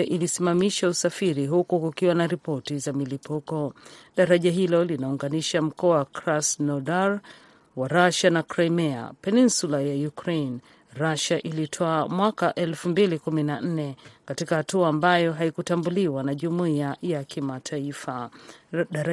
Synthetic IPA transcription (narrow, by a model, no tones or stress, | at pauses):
ʔilisimamiʃausafiɾiɦukukukiwanaɾipɔtizamilipukɔɗaɾaʄaɦilɔlinauŋɡaniʃam̩kɔakɾasnɔdaɾ | waɾaʃanakɾajmɛa̰pɛninsulajajukɾen | ɾaʃaʔilitʰɔamwakaʔɛlfumbilikuminan̩nɛkatikahatuaːmbajɔɦaikutambuliwanaʄumuiajakimatʰaifa